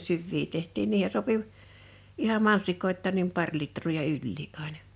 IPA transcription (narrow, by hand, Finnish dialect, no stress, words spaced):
syʋːiː tehtˑiːn niːhe sopi ihɑm mɑnsikoitˑɑːn nim pɑr litrˑoː jɑ ylʲliːʔ ʔɑinɑ